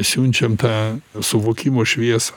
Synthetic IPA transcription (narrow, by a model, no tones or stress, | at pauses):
sʲunʲt͡ʃʲɛmt̪ɑːsʊʋoːkʲimoːʃʲʋʲiɛsɐ